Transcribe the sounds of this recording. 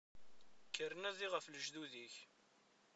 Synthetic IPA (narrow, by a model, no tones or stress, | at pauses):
kːəɾənæðiʁəfləʒðuðiç